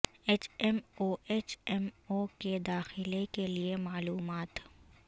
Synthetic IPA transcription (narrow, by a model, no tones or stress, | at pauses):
eːt͡ʃɛmoːʔeːt͡ʃɛmoked̪aːxɪlekeliemaːluːmaːt̪